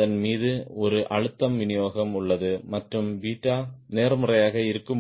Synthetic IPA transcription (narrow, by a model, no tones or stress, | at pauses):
ɐnmiːðɯɔɾɯʔɐɻɯt̪ːɐmʋɪnɪjoːɣɐmʊɭːɐðɯmɐʈrɯmʋiːʈːaːneːrmɯrɐjaːɣɐɪɾɯkːɯm